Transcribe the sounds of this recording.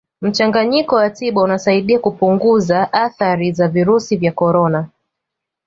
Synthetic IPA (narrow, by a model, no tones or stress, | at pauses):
m̩t͡ʃaŋɡaɲikɔwatiɓaunasaiɗiakupuŋɡuzaʔaθaɾizaviɾusivjakɔɾɔna